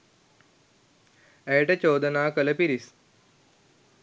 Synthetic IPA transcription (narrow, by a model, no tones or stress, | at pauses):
eːʈət͡ɕoːd̪ənaːkələpiɾis